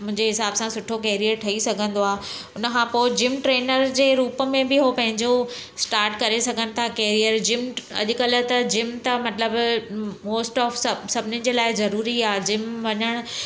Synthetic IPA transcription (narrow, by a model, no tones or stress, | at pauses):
mʊ̃ɦɪ̃ɲd͡ʑeɦɪsaːbsãsʊʈʰokɛːɾiəɾʈʰɐisɐɡʱə̃nd̪oaːʊnə̆kʰãpoːɪd͡ʑɪmʈɾeːnəɾd͡ʑeːɾuːpəmẽbɪɦopɐ̃ɦɪ̃ɲd͡ʑosʈaːɾʈkɐɾesɐɡʱənɪ̆t̪ʰakeːɾijəɾd͡ʑɪmɐ̰ʄʊ̆kələ̆t̪ɐd͡ʑɪmt̪ɐmɐt̪ləbmoːsʈɔːfssɐbʱɪnɪnɪ̆d͡ʑeːlaːɪzɐɾuːɾiaːd͡ʑɪmʋɐɲəɽ̃